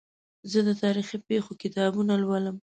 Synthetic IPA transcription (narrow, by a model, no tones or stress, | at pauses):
zəd̪ət̪ɑɾixipexokɪt̪ɑbunalwaləm